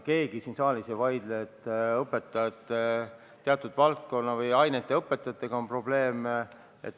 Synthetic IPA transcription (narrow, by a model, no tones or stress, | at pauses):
ke̞ːɡ̥isiːnsɑːlisevɑjd̪leet̪ːˑɤpːˑe̞t̪ːˑɑɑt̪ːˑe | t̪ːeɑt̪ːˑud̪vɑlt̪̚ko̞nːɑvɯjɑjnet̪ːˑe̞ɤpːe̞t̪ːˑɑt̪ːˑe̞ɡ̥ɑo̞mpro̞ble̞ːm | ḛt̪ː